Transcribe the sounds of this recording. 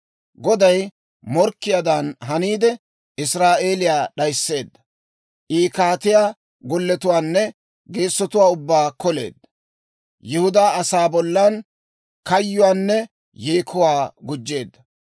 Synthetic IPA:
ɡɔd̪ɐj | mɔɾkːɪjad̪anɦɐniːd̪ɛ | ɪsɾaːʔe̞ːlɪjaːɗɐjsːe̞ːd̪ːɐ | ʔiːkaːt̪ɪjaː | ɡɔlːɛt̪ʊwaːnːɛ | ɡe̞ːsːɔt̪ʊwaːʊbːaːkɔle̞̰ːd̪ːɐ | jɪhʊd̪aːɐsaːbɔlːɐn | kɐjːʊwaːnːɛ | jeːkʰʊwaːɡʊd͡ʒːe̞ːd̪ːɐ

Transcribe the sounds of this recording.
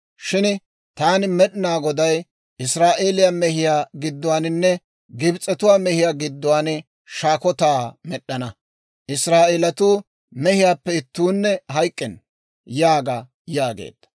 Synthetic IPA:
ʃɪn | t̪aːnɪmɛɗɪnaːɡɔd̪ɐj | ʔɪsɾaːʔeːlɪjamɛɦɪjaːɡɪd̪ːʊwaːnɪnːɛ | ɡɪbt͡sʼːɛt̪ʊwaːmɛhɪjaːɡɪd̪ːʊwaːn | ʃaːkɔt̪aːmɛɗːɐnɐ | ʔɪsɾaːʔeːlɐt̪uː | mɛhɪjaːpːɛɪt̪ːuːnːɛɦɐjkʼːɛn | jaːɡa | jaːɡḛːd̪̥ːɐ̥

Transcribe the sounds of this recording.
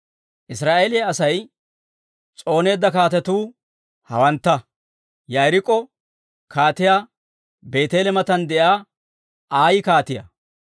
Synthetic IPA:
ʔɪsɾaːʔeːlɪjaɐsɐj | t͡sʼo̞ːne̞ːd̪ːɐkaːt̪ɛt̪uː | hɐ̰wɐnt̪ːɐ | jɐjɾɪkʼːɔ | kʰaːt̪ɪjaː | be̞ːt̪eːlɛmɐt̪ɐnd̪ɛjaː | ʔaːjɪkaːt̪ɪjɐ̰

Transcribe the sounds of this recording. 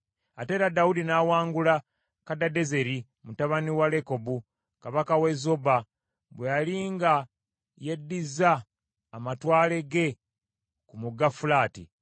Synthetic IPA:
ate̞ːɾadaudinaːwaːŋɡula | kadade̞ze̞ɾi | mutaβaniwale̞ko̞bu | kaβakawe̞zoba | βwejaliŋɡa | je̞dːizaː | matwaːle̞ɡe̞ | kumuɡafulaːtḭ

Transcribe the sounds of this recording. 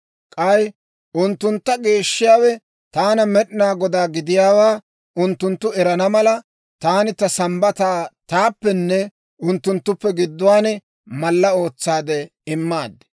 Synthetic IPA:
kʼɐj | ʔʊnt̪ːʊnt̪ːɐɡe̞ːʃːɪjaːwɛ | t̪aːnɐmɛɗɪnaːɡɔd̪aːɡɪd̪ɪjaːwaː | ʔʊnt̪ːʊnt̪ːʊɛɾɐnɐmɐlɐ | t̪aːnɪt̪ɐsɐmbɐt̪aːt̪aːpːɛnːɛ | ʊnt̪ːʊnt̪ːʊpːɛɡɪd̪ːʊwaːnɛ | mɐlːɐo̞ːt͡sːaːd̪ɛ | ɪmːaːd̪ɛ̥

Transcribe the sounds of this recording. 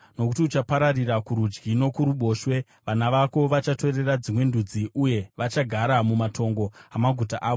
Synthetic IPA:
no̞kutiut͡ʃapaɾarirakuɾud͡ʒɡino̞kuɾuɓo̞ːʃwe̞ | ʋanaʋako̞ʋat͡ʃato̞re̞rad͡zimwe̞ndud͡ziʔuje̞ʋat͡ʃaɡʱaɾamumatʰo̞ŋɡo̞amaɡʱutaʔaːʋo̞

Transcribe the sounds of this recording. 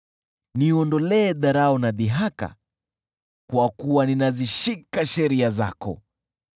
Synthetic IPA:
niɔndɔlɛːðaɾaɔnaðiɦaka̰ | kwakuwaninaziʃikaʃɛɾiaza̰kɔ̰

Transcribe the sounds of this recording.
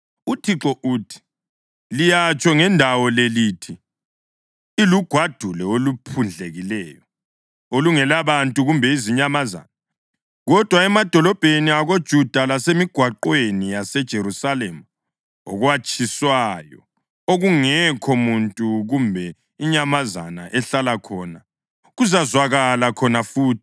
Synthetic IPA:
utʰiǁɔʔuːtʰi̥ | lijat͡ʃʼɔŋɛndʱawɔleliːtʰi | luɡ̥ʱwad̥ʱulɛolupʰund͡ɮʱeɣilɛːjɔ | oluŋɛlaβantʼuɣumbʱɛiziɲamaza̰ːna | ɣɔd̥ʱwaɛmad̥ʱɔlɔb̥ʱeniaɣod̥ʒ̥ʱud̥ʱalasemiɡ̥ʱwaǃwenijasɛd̥ʒ̥ʱeɾusalema | ɔ̰ɣwat͡ʃʼʰiswajɔ̰ | oɣuŋɛkʰɔmuntʼuɣumbʱɛ | iɲamaza̰na̰ʔɛɬalakʰɔna | ɣuzazwaɣalakʰɔnafuːtʰi̥

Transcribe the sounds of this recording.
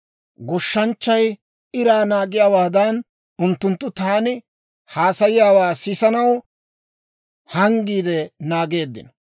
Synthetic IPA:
ɡɔʃːɐnt͡ʃːɐj | ɪɾaːnaːɡɪjaːwaːd̪ɐn | ʊnt̪ːʊnt̪ːʊt̪aːnɪ | haːsɐjɪjaːwaːsɪsɐnɐw | hɐŋɡiːd̪ɛnaːɡe̞ːd̪ːɪ̰nɐ

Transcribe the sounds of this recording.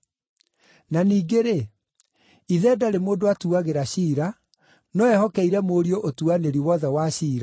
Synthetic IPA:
naniːɡeɾe | iðɛːdaɾemoːdoatuaɣeɾaɕiːɾa | nɔɛhɔkɛiɾɛmoːɾioʔotuaneɾiwɔðɛwaɕiːɾa

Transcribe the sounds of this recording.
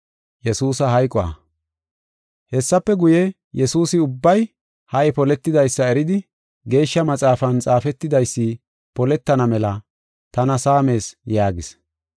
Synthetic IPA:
jɛsuːsɐɦɐjkʼɔɐ̰ | hɛsːɐpːɛɡʊjɛ | jɛsuːsɪʊbːɐj | hɐʔɛpɔlɛt̪ːɪd̪ɐjsːɐɛɾɪd̪ɪ | ɡe̞ːʃːɐmɐt͡sʼaːfɐnt͡sʼaːfɛt̪ːɪd̪ɐjsːi | pɔlɛt̪ːɐnɐmɛlɐ | t̪ɐnɐsaːme̞ːsjaːɡɪs

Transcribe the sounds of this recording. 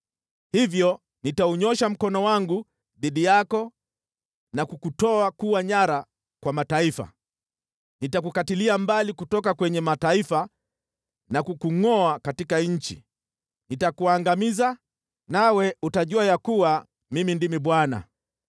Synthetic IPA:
hivjɔ | nitauɲɔʃam̩kɔnɔwaŋɡu | ðiɗijakɔ | nakukutɔakuwaɲaɾa | kwamataifa̰ | nitakukatiliambalikutɔk̬akwɛɲɛmataifa | nakukuŋɔakatikaɲ̩t͡ʃḭ | nitakuaŋɡamiza | nawɛutaʄuajakuwa | mimindimiɓwana̰

